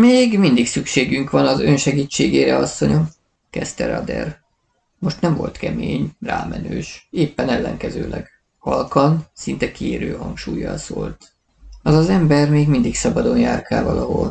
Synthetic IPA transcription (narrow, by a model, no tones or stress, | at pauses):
meːɡmind̪iksykʃeːɡyŋkʋɒnɒzø̞nʃɛɡiːt͡ʃːeːɡeːɾɛɒsːo̞ɲo | kɛst̪ɛɾɒ̰d̪ɛ̰r | mo̞ʃt̪nɛɱvo̞̰lt̪kɛmeːɲraːmɛnøːʃeːpːɛnɛlːɛŋkɛzøːlʔɛɡ | hɒlkɒnsint̪ɛkieːɾøːɦɒŋkʃuːjːɒ̰lsoːlt̪ | ɒzɒzɛmbɛrmeːɡmind̪iksɒbɒd̪o̞njaːrkaːvɒlɒɦo̞̰l